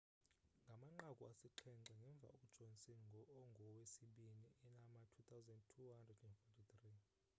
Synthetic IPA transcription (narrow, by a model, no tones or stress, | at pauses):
ŋɡʱamaŋ͡ǃakʼuasiǃʰɛnǀaŋɡʱɛɱb̪vʱa̰ud̥ʒ̥ʱɔnsinʱŋɡʱɔwesiɓiniɛnamatʰut̪ʰawzɛndtʰuhandrɛdunfotʰʼit̪ri